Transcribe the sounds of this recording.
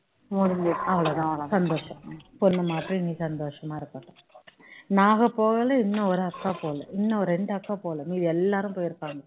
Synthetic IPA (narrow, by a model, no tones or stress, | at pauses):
mɔɽɪeɐʋɐɭɐðãsɐnd̪oːʂɐ̃pɔnːɐmaːʈɾiniːsɐnd̪oːʂɐmaːɪɾɯkːɐʈːɐ̃ | naːɣɐpoːɣɐlɐɪnːɐɔɾɯɐkːaːpoːlɐ̃ɪnːɐɔɾɛɳɖɯɐkːaːpoːlɐ̃miːðiɛlːaːɾɯ̃mpoːjɪɾɯpːaːŋɡɐ